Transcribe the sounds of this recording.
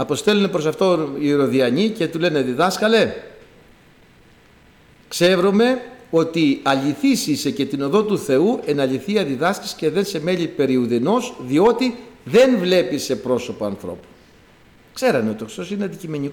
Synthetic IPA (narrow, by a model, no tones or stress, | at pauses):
ɐpo̞st̪e̞lunepɾo̞sɐft̪o̞iɾo̞ðiɐɲice̞t̪ule̞neðiðɐskɐle | kse̞ɾome̞o̞t̪iɐʎiθisisece̞t̪ino̞ðo̞t̪uθe̞ue̞nɐʎiθiɐðiðɐsci̥sce̞ðense̞me̞ʎipe̞ɾiuðino̞sðio̞t̪iðe̞nvle̞pise̞pɾo̞so̞poɐnθɾo̞̰pu̥ | kse̞ɾɐmeot̪okɾi̥so̞sineɐnd̪icime̞ɲik